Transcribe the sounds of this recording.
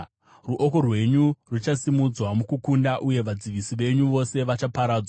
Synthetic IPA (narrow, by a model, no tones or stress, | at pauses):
ruʔo̞ko̞rwe̞ɲurut͡ʃasimud͡zwamukukundaʔuje̞ʋad͡ziʋisiʋe̞ɲuʋo̞se̞ʋat͡ʃapaɾaːd͡zwa